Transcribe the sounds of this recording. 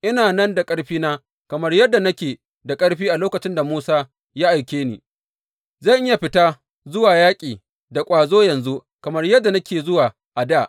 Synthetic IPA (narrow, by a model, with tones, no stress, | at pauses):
ʔɪ˦naː˨nɐ˦nda˨kʼɐ˦ɽɸiː˦naː˦ | kɐ˨mɐ˦rjɐ˦dːa˨nɐ˦kʲeː˨ | da˨kʼɐ˦ɽɸiː˦ʔa˨loː˦kɐ˨t͡ʃɪ˦nda˨muː˦saː˦ | ja˦ʔa˨jkʲeː˦nḭː˨ | zɐ˦˨ʔɪ˦ja˨ɸɪ˦ta˦ | zʊ˦waː˨jaː˦kʲʼiː˨ | da˨kʷʼaː˨zoː˦jɐ˨nzu˦ | kɐ˨mɐ˦rjɐ˦dːa˨na˦kʲeː˨zʊ˦waː˨ | ʔa˨daː˦˨ʔ